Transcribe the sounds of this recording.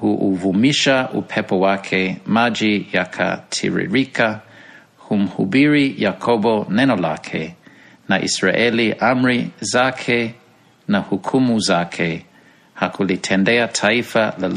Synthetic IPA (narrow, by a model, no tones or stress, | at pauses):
huʔuvumiʃaʔupʰɛpɔwakʰemad͡ʒijakʰa̰tʰḭɹḭɹikʰa | hum̩hubiɹijakʰobonɛnola̰kʰe | naʔḭsɹaʔɛliʔamɹizakʰe | nahukʰumuzakʰe | hakulitʰɛndɛatʰaifala